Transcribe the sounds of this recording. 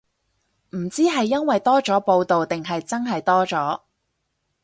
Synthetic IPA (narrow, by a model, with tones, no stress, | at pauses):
m̩˨˩t͡siː˥ɦɐ˨jːɐ˥nwɐ˨jt̪ɔː˥t͡sɔː˨˥po˧wt̪o˨wt̪ɪ˨ŋɦɐ˨jt͡sɐ˥nɦɐ˨jt̪ɔː˥t͡sɔː˨˥